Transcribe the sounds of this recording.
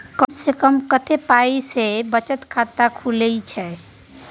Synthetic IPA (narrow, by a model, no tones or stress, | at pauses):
kəmsekəmkət̪ʰepaisebət͡ʃət̪kʰat̪akʰuləit͡ʃʰɛ